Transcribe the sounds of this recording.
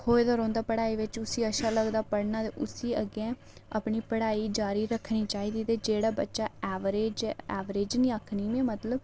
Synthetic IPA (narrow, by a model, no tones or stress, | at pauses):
hoːed̪əːɾɔ̃ːnd̪aːpəɽaːiːʋɪt͡ʃʊsiːəʃaːləɡd̪aːpəɽnaːt̪ḛʔʊsiːəɡɛ̃ː | a̰ːpɳiːpəɽaːiːd͡ʒaːɾiːɾəkʰːɳiːt͡ʃaːiːd̪iːt̪eːd͡ʒeːɽaːbətːʃaːɛːʋɾeːd͡ʒɛːʋɾeːd͡ʒnĩːakʰniːmẽːmət̪ləb